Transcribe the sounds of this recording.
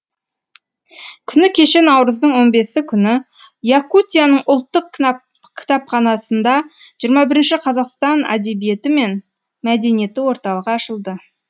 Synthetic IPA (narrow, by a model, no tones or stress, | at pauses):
kʲʰʏnɪkʲʰe̞ʃe̞nɑwɾəzd̪əɴwo̞nbe̞sɪkʲʰʏnɪ | jakut̪ʲijanəɴʊlˠt̪ːəq | kʲʰɪ̥t̪ɑpχɑnɑsənd̪ɑ | ʒ̥ijəɾmɑbɪɾɪnʃɪqʰɑzɑqst̪ɑna̰d̪e̞bije̞t̪ɪme̞n | mæd̪e̞nije̞t̪ɪwo̞ɾt̪ɑlˠəʁɑːʃəlˠd̪ə